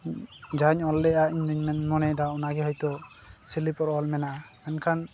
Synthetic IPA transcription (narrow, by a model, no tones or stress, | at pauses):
d͡ʒaɲɔlːɛʔaiɲdɔɲmɛnmɔnɛd̪aɔnaɡɛɦɔjt̪ɔ | silipɔɾɔlmɛnaʔamɛnkʰan